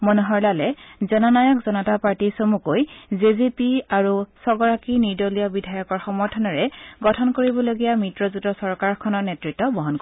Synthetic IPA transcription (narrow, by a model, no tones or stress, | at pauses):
mɔnuɦɔɹlalɛzɔnɔnajɔkzɔnɔtapaɹtisomukojzezipiaɹusɔɡɔɹakiniɹdoliɔbidʱajɔkɔɹxɔmɔɹtʰɔnɔɹɛɡɔtʰɔnkoɹibɔloɡijamɹitɹɔzutɔsɔɹkaɹkʰɔnɔɹnetɹitːɔbɔɦɔnkɔ